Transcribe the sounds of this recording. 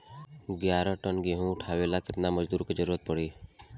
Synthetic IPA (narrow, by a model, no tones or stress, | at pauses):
ɡjaːɾə̃ʈənɡeɦũʊʈʰaːʋeːlakɪt̪naməd͡ʒd̪uːɾked͡ʒəɾuːət̪̚pəɽiː